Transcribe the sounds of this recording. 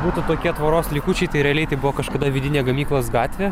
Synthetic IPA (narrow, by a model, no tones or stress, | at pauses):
buːt̪ʊt̪oːkʲiɛt̪ʋɐɾoːslʲikʊt͡ʃʲɛɪt̪ɐɪɾʲɛɐlʲɛɪt̪ɐɪbʊʋokɐʃkɐd̪ɐʋʲɪd̪ʲɪnʲeːɡɐmʲiːklˠɐsɡɑːt̪ʲʋʲeː